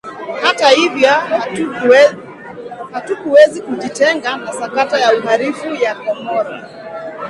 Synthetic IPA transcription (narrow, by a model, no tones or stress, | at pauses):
hatahivjɔ | hatukuwɛzikuʄitɛŋɡanasakatajauɦaɾifujakɔmɔɾa